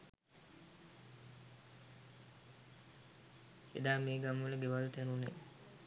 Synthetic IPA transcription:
ḛd̪aːmeːɡamʋələɡeʋalt̪ænune

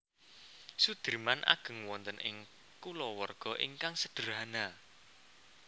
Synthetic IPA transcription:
sud̪̥əɾmanʔa̰ɡ̥ə̤ŋwɔnt̪ənʔɪ̰ŋ | kulɔwərɡ̥ɔ̤ʔiŋkaŋsəd̥əɾɦana

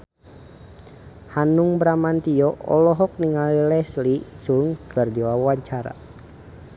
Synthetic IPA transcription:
hanuŋbɾamant̪iɔʔɔ̰lɔɦɔk̚niŋalilɛslit͡ʃuŋkʰɨrdiwawaɲt͡ʃaɾa̰

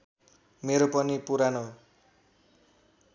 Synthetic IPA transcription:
meɾopʌnipuɾano

